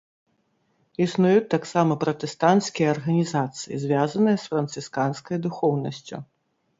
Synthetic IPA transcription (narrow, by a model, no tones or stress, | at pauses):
isnujut͡s̚ʲt̪aksamɐpɾɐt̪ɛst̪ant̪skʲijɐɐrɣɐnʲizat̪sɨjḭzʲvʲazɐnɨjɐsfɾɐnt̪sɨskanskɐjd̪uxɔwnɐsʲt͡sʲṵ